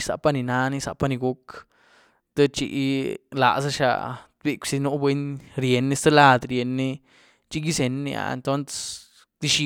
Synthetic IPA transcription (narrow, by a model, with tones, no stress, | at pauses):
sa̰˨pa˧ni˧na˧ni˦sa̰˧pa˦ni˧ɡu˦k | t̪e˦t͡ʃḭ˧˦ʔla̰˨sa˦ʃa̰˧ | bi˧kʷsi˧nu˦bwe˦nɾje˨nːi˦st̪e˦la˧d̪ɾje˨nːi˦ | t͡ʃi˦ɡi˦se˨˧nːḭ˧a̰˨ḛ˨nt̪o˦ns | d̪̥i˦ʃi˧